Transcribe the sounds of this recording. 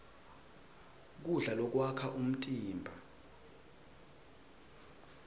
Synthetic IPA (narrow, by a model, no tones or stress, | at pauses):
k̬uɮalɔk̬wakʰaʔum̩tʼiːmbʱa